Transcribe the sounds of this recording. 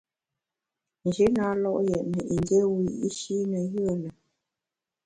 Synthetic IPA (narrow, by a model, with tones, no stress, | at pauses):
nd͡ʒʉ˨˦na˨˦lɔ˦˨ʔjɛ˨ʔnə˨ʔi˨ndjɛ˦wi˨i˦ʃi˦nə˨jə˦˨lə˨